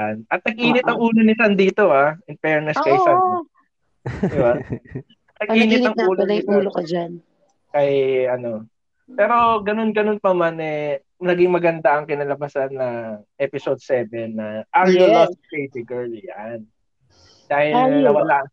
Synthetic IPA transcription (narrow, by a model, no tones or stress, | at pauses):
janʔɐt̪̚nɐɡ̚ʔiːnɪt̪ɐŋuːlonɪsand̪iːt̪o̞ʔaʔɪnpɛɹnɛskɐjsɐn | d̪ɪba | nɐɡʔiːnɪt̪ɐŋʔuːloniːulod͡ʒan | kɐjɐno̞ | pɛːɾo̞ɡɐno̞nɡɐno̞npɐmanɛ | nɐɡɪŋmɐɡɐnd̪aɐŋkɪnɐlɐbɐsanːɐʔɛpɪsod̪̚sɛːvɛnːɐʔaɾjoloskejd̪ɪɡɛɹljan | d̪aːhɪlɐnɐwɐla